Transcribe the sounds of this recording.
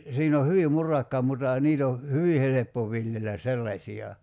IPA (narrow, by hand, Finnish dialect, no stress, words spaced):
siːn o hyʋi murɑkːɑ mutɑ jɑ niːt o hyʋi helepːo ʋiljelæ selːɑsʲiɑ